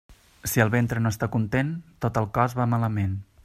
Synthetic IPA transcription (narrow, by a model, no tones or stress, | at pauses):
siəlˠβent̪ɾənoəst̪akunt̪ent̪ot̪əlˠkɔzβamaləmen